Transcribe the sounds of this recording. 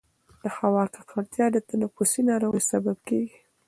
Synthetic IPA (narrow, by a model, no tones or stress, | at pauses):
d̪̥əxawɑkaqʰaɽt̪jɑd̪ət̪anapusinɑɾoɣəjsababkeɡi